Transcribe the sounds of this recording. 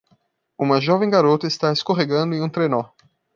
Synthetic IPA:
ũmɐʒɔvẽj̃ɡaɾot̪ɐɪst̪aeskoɦeɡɐ̃nd̪ʊẽũt̪ɾenɔ

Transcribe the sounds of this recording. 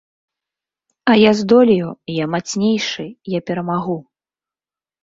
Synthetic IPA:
ɐjazd̪ɔlʲijujamat̪sʲnʲejʂɨjapʲɛɾɐmaɣu

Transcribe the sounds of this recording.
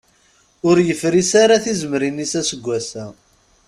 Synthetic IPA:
ʊɾjəfɾisaɾaθizəmɾinisæsəɡʷːæsæ

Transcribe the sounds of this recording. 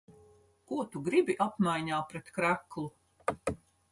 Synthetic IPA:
kuɔt̪uɡɾibiʔapmajɲaːpɾɛt̪kɾæklˠu

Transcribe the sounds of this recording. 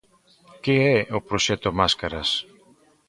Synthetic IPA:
kɪɛopɾoʃɛt̪omaskaɾɐs

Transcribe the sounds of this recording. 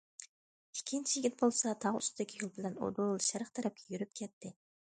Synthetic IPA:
ikʲʰːint͡ʃʰijiɡʲit̪̚bolˠsɑt̪ʰɑʁy̰st̪ʰɪd̪ɪkʲʰijolˠbɪlɛno̰d̪olˠʃɛɾɨχt̪ʰɛɾɛp̚kʲɛjyɾyp̚kʲʰɛt̪ʰːɪ

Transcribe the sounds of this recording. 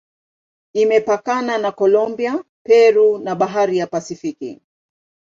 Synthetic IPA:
imɛpakananakɔlɔmbia | pɛɾunaɓaɦaɾijapasifikḭ

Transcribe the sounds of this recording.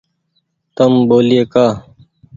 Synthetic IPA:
t̪ɐmboːlijeːkaː

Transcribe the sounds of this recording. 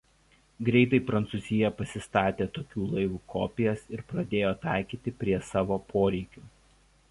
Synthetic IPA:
ɡɾʲɛˑɪt̪ɐɪpɾɐnt̪suzʲɪjɛpɐsʲɪst̪ɑːt̪ʲeːt̪oːkʲuːlˠɐɪʋuːkʰɔ̰ːpʲɪjɛsɪɾpɾɐd̪ʲeːjoːt̪ɑˑɪkʲiːt̪ʲɪpʲɾʲiɛsɑːʋoːpʰoːɾʲɛɪkʲuː

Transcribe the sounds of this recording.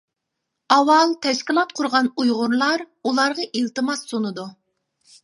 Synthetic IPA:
ɑwɑlˠt̪ʰɛʃkʲilˠɑt̪̚qʰʊɾʁɑnujʁʊɾlˠɑɾ | ulˠɑɾʁɑʔilt̪ɨmɑsːonɨd̪u

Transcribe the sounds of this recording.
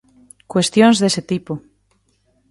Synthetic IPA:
kwest̪jõnzðeset̪ipo

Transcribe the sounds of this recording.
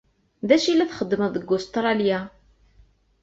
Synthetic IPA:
ðæʃilːæθχəd̪ːməðəɡːʊst̪ɾˤɑlja

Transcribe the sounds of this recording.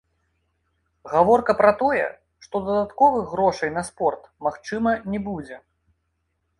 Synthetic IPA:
ɣavɔrkɐpɾɐt̪ɔjɛ̰ | ʂt̪ɔd̪ɐd̪at̪kɔvɨɣɣɾɔʂɐjn̪ɐspɔrt̪maxt͡ʂɨmɐnʲɛbud͡zʲɛ

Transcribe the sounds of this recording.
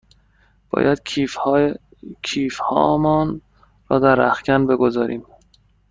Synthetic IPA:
b̥ɒ̰ːjʔæd̪̥̚ | cʰiːfhɒ̰ːmɒːn | rɒːd̪æɾæ̰xcænbe̞ɡozɒːɾiːm

